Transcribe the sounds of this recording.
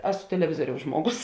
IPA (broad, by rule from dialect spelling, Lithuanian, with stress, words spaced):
ˈæːsʊ tʲɛlʲɛˈʋʲɪzuɔrʲɛʊs ˈʒmuɔˌɡʊs